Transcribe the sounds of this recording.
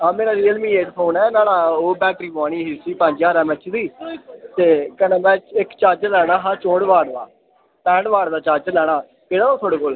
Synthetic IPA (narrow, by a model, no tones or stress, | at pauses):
aːmeːɾaːɾiːəlmiːeːʈpʰoːnɛːnaːlaːoːbɛːk̚ʈɾiːbaːɳiːɦiːsiːpə̃ɲd͡ʒjaːɾɛ̃ːmɛt͡ʃd̪iːt̪eːkənẽːmɛ̃ːt͡ʃɪkt͡ʃaːɾt͡ʃlɛːɽaːɦãːt͡ʃõːɽʋaːɽd̪a̰ː | pɛ̃ːɳɖʋaːɽd̪aːt͡ʃaːɾt͡ʃlɛːɽaː | peːɽaːnõːt̪ʰoːɽeːkoːl